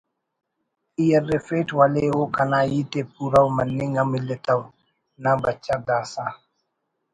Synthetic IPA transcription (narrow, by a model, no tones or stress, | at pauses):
ijɛrːɛfetwalewokanajitep̚uɾawmanːiŋamilːɛtaw | nabat͡ʃːaɡaːsa